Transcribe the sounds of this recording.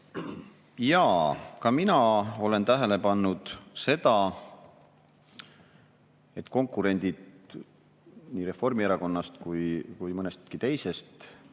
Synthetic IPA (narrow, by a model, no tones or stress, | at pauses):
jɑːkɑminɑo̞le̞nt̪æɦe̞lepɑnːud̪̥se̞d̪ɑ | e̞t̪ːˑko̞ŋkːˑuɾe̞nʲd̪̥id̪ | niːɾe̞fo̞rmieɾɑko̞nːɑst̪kujkujmɤnest̪kit̪e̞jse̞st̪